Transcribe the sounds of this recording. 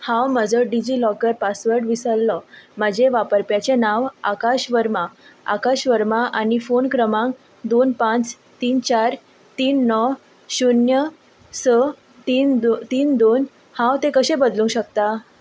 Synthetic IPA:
hãwməd͡zəɖid͡ʑiːlɔkəɾpasʋəɾɖʋisəlːɔm̤əd͡ʑeʋapəɾpjat͡ɕenaʋa̰kaɕʋəɾmaa̰kaɕʋəɾmaʔanifonkɾəmãŋ | d̪onpãt͡s | t̪iːnt͡ɕaɾ | t̪iːnːɔ | ɕunjə | sə | t̪iːnt̪iːnd̪on | hãwt̪ẽkəɕẽbəd̪lũŋkɕəkt̪a

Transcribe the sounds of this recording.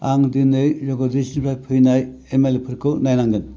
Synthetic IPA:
aŋdinɯjzɔɡɔdisinpʰajpʰɯjnaj | emelepʰɯɾkʰɯnajnaŋɡɯn

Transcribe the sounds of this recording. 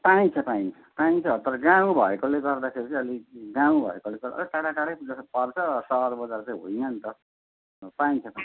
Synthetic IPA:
paĩt͡sʰʌpaĩnʰ | paĩnt͡sʰʌt̪ʌɾɡaw̃bʱʌ̰ekoleɡʌrd̪akʰeɾit͡sʌ̃ʌliɡaw̃bʱʌ̰ekoleɡʌʌ̰lʈaɽakaɽajd͡zʌpʌrt͡sʰʌsʌʌɾbʌd͡zart͡saĩɦojnʌnt̪ʌ | paĩt͡sʰʌpã

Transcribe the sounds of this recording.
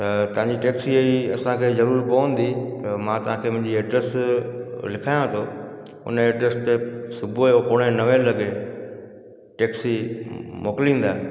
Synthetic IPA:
t̪ɐt̪ɐʋ̤ãɲd͡ʑiʈeːksiɐiɐsãkʰeːzɐɾuːɾkoːə̃n̆d̪it̪ɐmãt̪ɐʋ̤ãkʰeːmʊ̃ɦɪ̃ɲd͡ʑieːʈɾəs | lɪkʰaːjãt̪ʰoː | ʊ̰neːʈɾəst̪esʊbʱuopoːɽ̃enɐʋẽlɐɠe | ʈeːksimoːkɪlĩːn̆d̪aːe

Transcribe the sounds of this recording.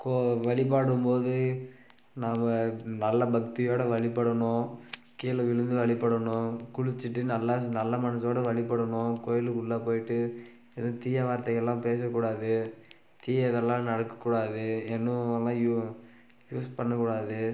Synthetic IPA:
koʋɐɭɪp̬aːɽɯmpoːðɯ | naːmɐnɐlːɐbɐk̚t̪ɪjoːɽɐʋɐɭɪpːɐɽɐɳʊ̃ | kiːlɐʋɪɻɯnd̪ɯʋɐɭɪpːɐɽɐɳʊ̃kʊɻɪt͡ʃːɪʈːɯnɐlːɐnɐlːɐmɐnɐsoːɽɐʋɐɭɪpːɐɽɐɳʊ̃koːjɪlɯkʊɭːɐpoːjɪʈːɯ | ɛðɐ̃ːt̪iːjɐʋaːɾt̪ɐɣɐɛlːãːpeːs̬ɐkːuːɽaːðɯ | t̪iːjɐɛðɛlːãːnɐɽɐkːɐ̥kːuːɽaːðɯɛnːɯ̃ɛlːãːju | juːspɐɳːɐkːuːɽaːðɯ

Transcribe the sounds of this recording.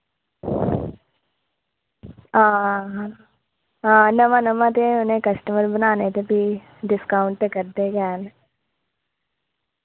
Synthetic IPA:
ãː | ãːnɐmãnɐmat̪eʊnẽkɐsʈəməɾbɐnaːnet̪ebʱi | ɖɪskaːʊɳʈ̪ekɐɾd̪ekɛːn

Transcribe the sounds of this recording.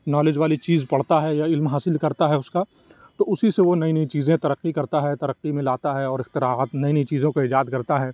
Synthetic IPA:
nɔːlɪd͡ʒʋaːlit͡ʃiːzpɐɽ̤t̪aɦɛjaɪlmɦaːsɪlkɐɾt̪aɦɛʊska | t̪oːʊsiseʋonɐinɐĩt͡ʃiːzẽt̪ɐɾɐqːikɐɾt̪aɦɛt̪ɐɾɐqːimẽlaːt̪aɦɛɔːɾɪxt̪ɪɾaːaːt̪nɐinɐit͡ʃiːzõkoɪd͡ʒaːd̪kɐɾt̪aɦɛː

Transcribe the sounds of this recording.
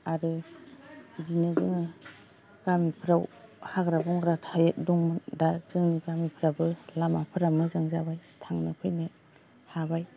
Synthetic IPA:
aɾɯ | dinɯzɯŋɯ | ɡamipʰɾawhaɡɾabɔŋɾatʰajet̚dɔŋmɯdazɯŋniɡamipʰɾabɯlamapʰɯɾamɯzaŋzabajtʰaŋnɯpʰɯjnɯ | habaj

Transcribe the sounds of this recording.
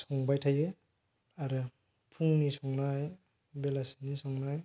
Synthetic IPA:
sɔŋbajtʰajɯ | aɾɯ | pʰuŋnisɔŋnaj | belasi̥nisɔŋnaj

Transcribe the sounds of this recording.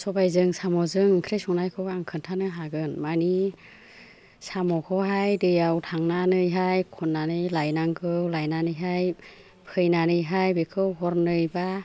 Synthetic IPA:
sɔbajzɯŋsamɔzɯŋkʰɾejsɔŋnajkʰɯwːŋkʰɯntʰanɯɦaɡɯnmani | samɔkʰɯwɦajdɯjawtʰaŋnanɯjɦajkʰɔnːanɯjlajnaŋkʰɯwlajnanɯjɦaj | pʰɯjnanɯjɦajbekʰɯwɦɔɾnɯjba

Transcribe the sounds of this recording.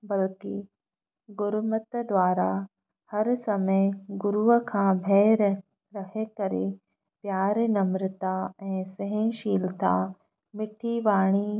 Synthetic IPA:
bɐlki | ɡʊɾmət̪d̪ʋaːɾa | hɐɾsɐməjɡʊɾuʋəkʰãːbʱɛːɾ | ɾɐɦekɐɾḛ | pjaːɾnɐmɾɪt̪aɛ̃ːseɦẽʃiːlt̪a̰ | mɪʈʰiʋaːɽ̃i

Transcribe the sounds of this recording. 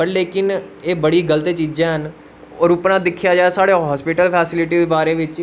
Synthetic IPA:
pəɾleːkɪneːbəɽiːɡəlt̪eːt͡ʃiːd͡ʒãːɦən | ɔːɾʊpnãːd̪ɪkʰːjaːd͡ʒaːeːsaːɽeːɦɔːspɪʈəlpʰɛːsɪlɪʈiːd̪eːbaːɾeːʋɪt͡ʃ

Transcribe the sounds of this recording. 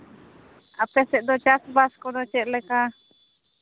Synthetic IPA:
apɛsɛʔd̪ot͡ʃasbaskod̪ot͡ʃɛʔlɛka

